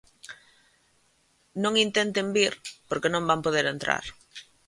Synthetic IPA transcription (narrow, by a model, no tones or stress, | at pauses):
nõŋint̪ent̪embiɾpoɾkenõmbampoðeɾent̪ɾa̰ɾ